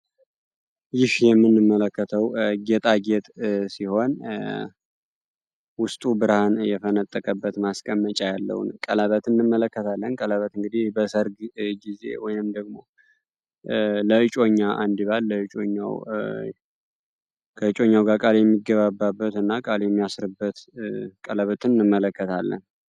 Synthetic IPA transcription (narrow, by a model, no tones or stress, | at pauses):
jɪhjɛmːɨnːɨmːələkːət̪ʰəwɡet̪ʼaɡet̪ʼsiho̞n | wʊst̪ʼubɨɾhanjɛfənət̪ʼːəkʼəbːət̪maskʼəmːət͡ʃʼajalːə̰w̰nkʼəlaβət̪ɨnːɨmːələkːət̪ʰalːənkʼəlaβət̪ɨŋɡɨd̪ibəsəɾɡɡize̞̰wɔjnɨmd̪əɡmo̞̰ | ləɨt͡ʃʼo̞ɲːaʔand̪iβalːəɨt͡ʃʼoɲːa̰w | kʰəɨt͡ʃʼo̞ɲːawɡakʼaljɛmːiɡəβabːabːət̪ɨnːakʼaljɛmːijasɾɨbːət̪kʼələβət̪ʰɨnnːɨmːələkːət̪ʰalːə̰n